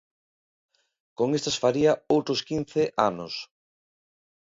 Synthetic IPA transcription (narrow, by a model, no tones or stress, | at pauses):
koŋest̪asfaɾiɐowt̪ɾoskin̟θeʔa̰nʊs